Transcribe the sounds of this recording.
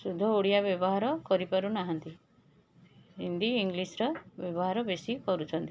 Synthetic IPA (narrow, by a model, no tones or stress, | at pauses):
sud̪ʱːɔoɽijabjɔbɔɦaɾɔkɔɾipɔɾunaɦɔnt̪i | ɦind̪iiŋɡlisɾɔbjɔβɔɦaɾɔbesikɔɾut͡ʃʰɔnt̪i